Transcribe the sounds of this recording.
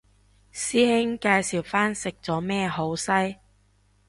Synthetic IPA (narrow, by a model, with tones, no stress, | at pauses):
siː˥hɪ˥ŋkaː˧jsiː˨˩wfaː˥nsɪ˨k̚t͡sɔː˨˥mɛː˥ho˨˥wsɐ˥j